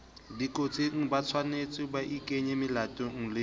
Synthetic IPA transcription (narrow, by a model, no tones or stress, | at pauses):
dikʼot͡sʼiŋ̩bat͡sʰwanet͡sʼɪbaʔikʼeɲemɪlatʼɔŋ̩lɪ